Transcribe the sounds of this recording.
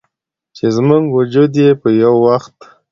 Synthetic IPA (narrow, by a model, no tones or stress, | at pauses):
t͡ʃezmuŋɡwʊd͡ʒud̪jepəjawːaxt̪